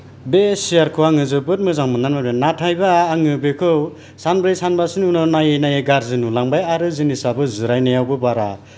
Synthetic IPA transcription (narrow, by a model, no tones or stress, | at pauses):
besijaɾkʰɯwaŋɯzɯbɯt̚mɯzaŋmɯnanmabenatʰajbaːŋɯbekʰɯw | sanbɾɯjsanbasinunɔnajenajeɡaɾzɯnulaŋbajaɾɯzinisabɯzɯɾajnajawbɯbaɾa